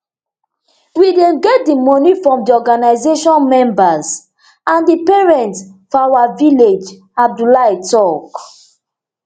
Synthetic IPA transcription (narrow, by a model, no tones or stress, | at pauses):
widẽɡɛt̚dimɔnifɹɔ̃mdiɔɡanaɪzeʃɔ̃nmɛ̃mbaz | ãndipɛɹɛ̃ntsfawaviled͡ʒ | ab̚dulaitɔk